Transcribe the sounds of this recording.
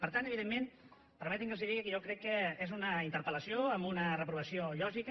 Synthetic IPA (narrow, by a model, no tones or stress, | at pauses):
pəɾt̪anəβiðemːen | pəɾmɛt̪iŋkəlzðiðiɣikəʒɔkɾɛkːəezunəint̪əɾpələsjoəmbunərəpɾuβ̞əsioʎɔʒik